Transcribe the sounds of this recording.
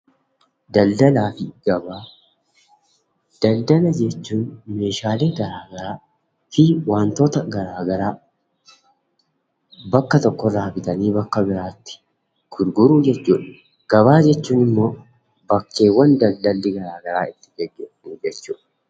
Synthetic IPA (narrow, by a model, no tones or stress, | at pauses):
d̪ɐld̪ɐlaːfɪɡ̥ɐbaː | d̪̥ɐld̪ɐlɐd͡ʒɛt͡ʃːuːnme̞ːʃaːle̞ːɡɐɾaːɡɐɾaː | fɪwaːnt̪o̞ːt̪ɐɡɐɾaːɡɐɾaː | bɐkːɐt̪ɔkːɔd̪aːfɪt̪ɐniːbɐkːɐbɪɾaːt̪ːɪ̥ | ɡ̥ʊɾɡʊɾuːd͡ʒɛt͡ʃːuːᶑɪ̥ | ɡ̥ɐβaːd͡ʒɛt͡ʃːuːnɪmːo̞ː | bɐkːe̞ːwːɐnd̪ɐld̪ɐlːɪɡɐɾaːɡɐɾaːɪt̪ːɪɡɛɡːe̞ːfɐniːd͡ʒɛt͡ʃːuːᶑɐ